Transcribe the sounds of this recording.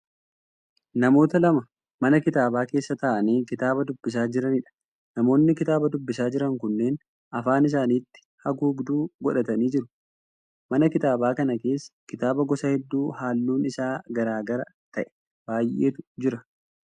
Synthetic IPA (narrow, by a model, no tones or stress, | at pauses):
nɐmo̞ːt̪ɐlɐmɐ | mɐnɐkɪt̪aːbaːke̞ːsːɐt̪ɐʔɐniːkɪt̪aːbɐd̪ʊbːɪs̬aːd͡ʒɪɾɐnɪᶑɐ̥ | nɐmo̞ːnːɪkɪt̪aːbɐd̪ʊbːɪsaːd͡ʒɪɾɐŋkʊnːeːn | ɐfaːnɪs̬aːniːt̪ːɪ̥hɐɡuːbd̪uːɡɔᶑɐt̪ɐniːd͡ʒɪɾʊ | mɐnɐkɪt̪aːbaːkɐnɐke̞ːsːɐ̥kɪt̪aːbɐɡɔsɐhɛd̪ːuːhaːlːuːnɪsaːɡɐɾaːɡɐɾɐt̪ɐʔɛ̥ | b̥aːjʔe̞ːt̪ʊ̥d͡ʒɪɾɐ